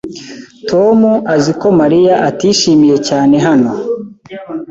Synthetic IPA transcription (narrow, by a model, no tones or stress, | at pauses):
tʰo̞muaziko̞maɾijaʔatiːʃiːmije̞caːne̞ɦano̞